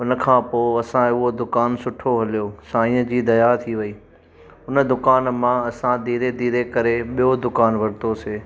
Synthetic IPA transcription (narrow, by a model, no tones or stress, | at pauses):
ʊnə̆kʰãːpoːɐsãɦɪɦod̪ʊkaːnsʊʈʰoɦɐlijosaːĩəd͡ʑiːd̪ɐjat̪ʰiʋɐiː | ʊnə̆d̪ʊkaːnmãɐsãd̪iːɾed̪iːɾekɐɾeɓijod̪ʊkaːnʋɐɾɪt̪oseː